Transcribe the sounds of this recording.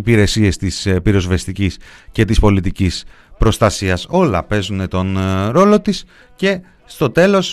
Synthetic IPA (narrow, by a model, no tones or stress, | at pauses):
ipiɾe̞sie̞st̪ispiɾo̞zvest̪icisce̞t̪ispo̞lit̪icis | pɾo̞st̪ɐsiɐso̞lɐ̰pe̞zune̞t̪o̞nɾo̞lo̞t̪is | ce̞ | st̪o̞t̪e̞lo̞s